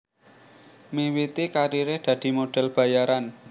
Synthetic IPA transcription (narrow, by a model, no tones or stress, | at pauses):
mewit̪ikaɾiɾehd̪̥ä̤d̪̥i̤moɖ̥ɛ̤lb̥ä̤jaɾan